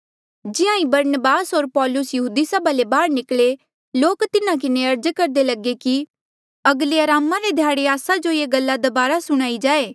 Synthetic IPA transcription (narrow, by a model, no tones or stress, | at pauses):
d͡ʒɪãĩbɐɾnəbaːsɦoːɾpɔːlʊsjɐɦuːd̪isəbalebaːɾnɪkɭe | loːkt̪ɪnãkɪneɐɾd͡ʒkɐɾd̪elɐɡeki | ɐɡleɐɾaːmaɾed̪ʱjaːɽeaːsad͡ʒojeːɡɐlːad̪ɐbaːɾasʊɽ̃aːid͡ʒaːeː